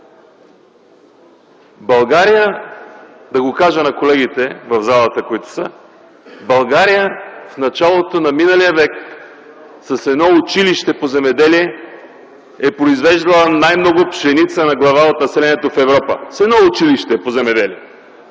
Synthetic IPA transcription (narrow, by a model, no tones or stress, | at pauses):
bɐlˠɡaɾijə | d̪ɐɡokaʒənɐkolɛɡit̪ɛvɐvzalˠət̪əkoit̪ʊ̥sə | bɐlˠɡaɾijəfnɐt͡ʃalˠot̪onɐminəlijəvɛk | sɐsɛd̪nɔʊt͡ʃiliʃt̪ɛpozɛmɛd̪ɛliɛ | ɛpɾoizvɛʒd̪ɐlˠənajmnɔɡʊpʃɛnit̪sənɐɡlˠɐvaot̪nɐsɛlɛniɛt̪ofɛvɾɔpə̰sɛd̪nɔʊt͡ʃiliʃt̪ɛpozɛmɛd̪ɛliɛ